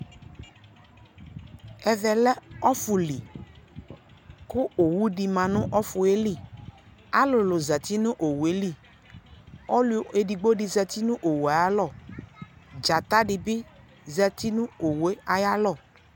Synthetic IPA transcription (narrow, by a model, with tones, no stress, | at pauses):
ɛ˨vɛ˨lɛ˦ɔ˦fʊ˨li˨ | kʊ˦o˨wu˦ɖi˨mã˨nʊ̃˦ʔɔ˦fʊ˨e˦li˦˨ | a˦lʊ˨lʊ˨zɛ˨t̪i˦nʊ̃˦ʔo˨wu˨e˦li˦˨ | ɔ˦lʊ˦o˨e˨ɖi˨ɡ͡bo˦ɖi˨zɛ˨t̪i˦nʊ̃˦ʔo˨wu˨a˨ja˦lɔ˦˨ | d͡ʒa˨t̪a˦ɖɪ˨bɪ˦ | zɛ˨t̪i˦nʊ̃˦o˨we˦a˨ja˦lɔ˦˨